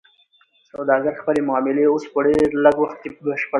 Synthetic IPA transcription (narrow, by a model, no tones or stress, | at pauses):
sawd̪ɑɡaɾxpəlemʊɑmɪleospəɖeɾləɡwaxt̪̚kebəʃpə